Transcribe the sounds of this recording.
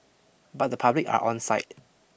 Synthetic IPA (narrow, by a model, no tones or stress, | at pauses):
bat̚dəpʰablɪka̰ɹʔɔ̰̃nsaɪt̚